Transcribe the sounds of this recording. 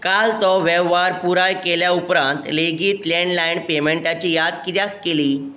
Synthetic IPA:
kalt̪ɔʋeʋːaɾpuɾajkeljaupɾãnt̪leɡiːt̪leɳlaiɳpemeɳʈat͡ɕiːjad̪kit̪jakːeliː

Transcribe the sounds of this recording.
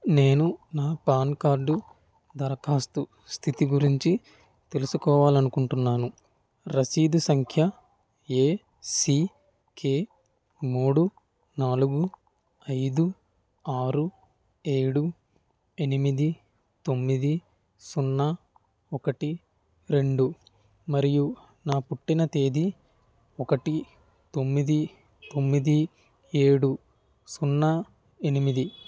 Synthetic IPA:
ne̞ːnunaːpaːnkaːɾɖu | d̪ɐɾɐkaːst̪u | st̪ʰit̪iɡuɾiɲt͡ʃi | t̪e̞lusukɔːʋaːlɐnukuɳʈunːaːnu | ɾɐsiːd̪usɐŋkʰjɐ | e̞ː | si | ke̞ː | muːɽu | naːluɡu | ɐjd̪u | aːɾu | e̞ːɽu | e̞nimid̪i | t̪o̞mːid̪i | sunːɐ | ɔkɐʈi | ɾe̞ɳɖu | mɐɾiju | naːpuʈːinɐt̪eːd̪i | ɔkɐʈi | t̪o̞mːid̪i | t̪o̞mːid̪i | eːɽu | sunːɐ | e̞nimid̪i

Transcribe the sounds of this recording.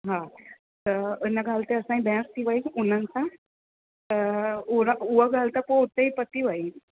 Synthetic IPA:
ɦã | t̪əənaɡʱalt̪eəsãĩbɛ̃st̪iʋaiunənt͡sa | t̪əuɾuʋəɡʱalt̪apot̪eipət̪iʋai

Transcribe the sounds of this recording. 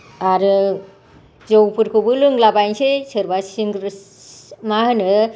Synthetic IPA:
aɾɯ | zowpʰɯɾkʰɯbɯlɯŋlabajnsesɯɾbasiŋɾ | mahɯnɯ

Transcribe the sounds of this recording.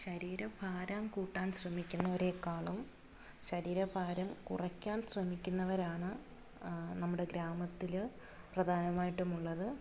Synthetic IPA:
ɕɐɾiːɾɐbʰʱaːɾaːmkuːʈːaːnɕrɐmikʲːunːɐʋɐɾe̞ːkːaːɭum | ɕɐɾiːɾɐbʱaːɾɐmkurɐkʲːaːnɕrɐmikʲːunːɐʋɐɾaːɳɨ | nɐmːuɽe̞ɡɾaːmɐt̪ːil | prɐd̪ʱaːnɐmaːjiʈːumuɭːɐðɨ

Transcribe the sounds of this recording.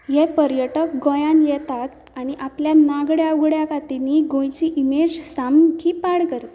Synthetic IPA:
jɛpəɾjəʈək̚ɡojãnjɛt̪at̪aɽ̃iʔapljanaɡɽjaɡɽjakat̪iniɡõjt͡ɕiʔimed͡ʑsamkʰipaɽkəɾt̪ḁ

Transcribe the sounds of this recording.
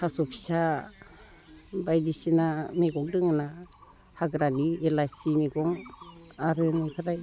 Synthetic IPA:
kasɔpʰi̥sa | bajdisinameɡɔŋdɯŋɯna | haɡɾanielajsimeɡɔŋaɾɯnɯkʰɯɾaj

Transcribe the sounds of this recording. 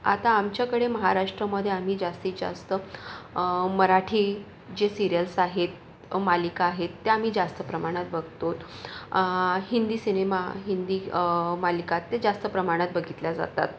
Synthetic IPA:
a̰t̪aːmt͡ɕjakəɽeməɦaɾaʂʈɾəməd̪ʱːjeam̤iːd͡zast̪iːd͡za̰st̪ə | məɾaʈʰiː | d͡ʑesiɾijəlsaɦet̪ | malikaːɦet̪ːeam̤iːd͡zast̪əpɾəmaɽ̃at̪̚bəɡ̚ʱt̪ot̪ | hind̪iːsinemaɦind̪iːmalikat̪ːed͡zast̪əpɾəmaɽ̃at̪̚bəɡʱit̪lad͡za̰t̪a̰t̪̚

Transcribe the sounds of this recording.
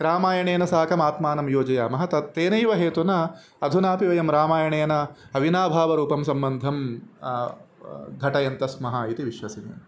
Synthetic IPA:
ɾaːmaːjɐɳeːnɐsaːkɐmaːt̪maːnɐmjoːd͡ʒɐjaːmɐɦɐt̪ɐt̪eːnɐjʋɐɦeːt̪unɐ | ɐd̪ʱunaːpiʋɐjɐmɾaːmaːjɐɳeːnɐɐʋinaːbʱaːʋɐɾuːpɐmsɐmbɐnd̪ʱɐm | ɡʱɐʈɐjɐnt̪ɐsmɐɦɐit̪iʋiʃʋɐsinḭm

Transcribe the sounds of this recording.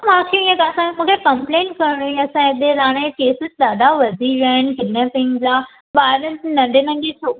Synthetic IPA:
mãːkʰeiə̃kaɐsãkemũːkʰekɐ̃mplẽːnkɐɾɽ̃uĩɐsãed̪eɾaːɽ̃ekeːsɪzɗ̪aːɗaʋɐd̪ʱiʋaːɪn̆bɪneːsɪ̃ŋɡd͡ʑaː | ɓaːɾənnɐ̃ɳɖʱenɐ̃ŋɡet͡ɕʰoː

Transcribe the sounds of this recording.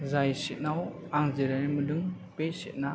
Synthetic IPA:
zajsit̚naw | aŋzeɾanimɯdɯŋ | pesit̚na

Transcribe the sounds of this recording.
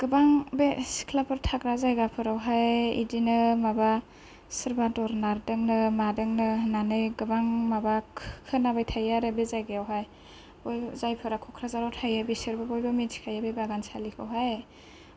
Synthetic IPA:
ɡ̥ɯbaŋbesi̥kʰlapʰɯɾtʰakɾazajɡapʰɯɾawɦajḭdinɯmaba | sɯɾbadɔɾnaɾdɯŋnɯmadɯŋnɯnanɯjɡɯbaŋmabakʰkʰɯnabajtʰajaɾɯbezajɡejawɦaj | bɔjzajpʰɯɾakʰɔkʰɾazaɾawtʰajabisɯɾbabɔjbɯminsʰi̥kʰajabebaɡansalikʰɯ̰wɦaj

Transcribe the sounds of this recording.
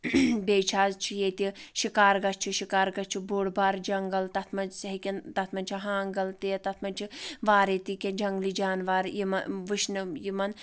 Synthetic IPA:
beːt͡ʃʰaːzt͡ʃʰijet̪iʃikaːɾɡɐst͡ʃʰiʃikaːɾɡɐt͡ʃʰiboːɽbaːɾd͡ʒɐŋɡɐlt̪ɐt̪ʰmɐnsɐɦikʲint̪ɐt̪ʰmɐnt͡ʃʰiɦaːŋɡɐlt̪eːt̪ɐt̪ʰmɐnt͡ʃʰiʋaːɾet̪ikʲend͡ʒɐŋɡlid͡ʒaːnʋaːɾjimɐ̰ʋɨʃnɨjimɐn

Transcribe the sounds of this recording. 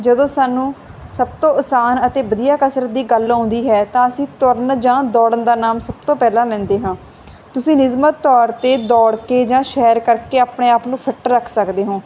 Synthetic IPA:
d͡ʒəd̪õːsaːnũː | səb̚t̪õːʊsaːnət̪eːbəd̪ijaːkəsɾət̪̚d̪iːɡəlɔ̃ːnd̪iːɦɛːt̪ãːəsĩːt̪ʊɾnd͡ʒãːd̪ɔːɽənd̪aːnaːmsəb̚t̪õːpɛːlãːlɛ̃ːnd̪eːɦãː | t̪ʊsĩːnɪzmət̪ːɔːɾt̪eːd̪ɔːɽkeːd͡ʒãːʃɛːɾkəɾkeːaːpɳeːaːpnũːpʰəʈːəɾːəkʰsəkd̪eːɦõː

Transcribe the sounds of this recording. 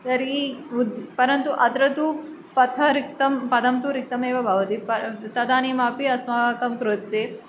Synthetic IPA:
t̪ɐɾiud̪pɐɾɐnt̪uʔɐd̪ɾɐt̪u | pɐt̪ʰɐɾik̚t̪ɐmpɐd̪ɐmt̪uɾik̚t̪ɐmeːʋɐbʱɐʋɐt̪ipɐt̪ɐd̪aːniːmaːpiɐsmɐʋaːkɐmkɾut̪ːeː

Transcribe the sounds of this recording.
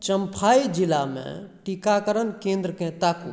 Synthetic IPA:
t͡ʃəmpʰaːid͡ʒilamḛ̃ʈikakəɾənkẽːnd̪ɾəkɛ̃t̪aːkṵ̃

